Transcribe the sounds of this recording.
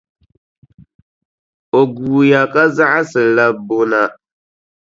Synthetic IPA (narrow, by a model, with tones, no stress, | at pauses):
o˨ɡuː˨ja˨kʼa˦za˦ʔa˦sɨ˨la˦bo˦na˦